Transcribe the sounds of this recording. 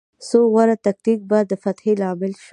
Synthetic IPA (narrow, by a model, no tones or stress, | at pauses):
soɣwaɾat̪ak̚t̪ik̚bad̪əfat̪helɑmɪlʃ